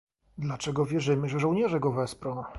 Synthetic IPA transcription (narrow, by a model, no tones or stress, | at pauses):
d̪lat͡ʂɛɡɔvʲjɛʐɘmɘʐɛʐɔ̃wɲɛʐɛɡɔvɛspɾɔ̃w̃